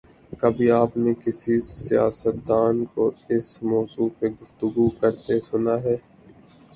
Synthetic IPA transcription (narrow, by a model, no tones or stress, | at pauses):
kɐbʱiaːpnekɪsisɪjaːsət̪̚d̪aːnkoɪsmɔːzuːpeɡʊft̪ʊɡukɐɾt̪esʊnaɦɛː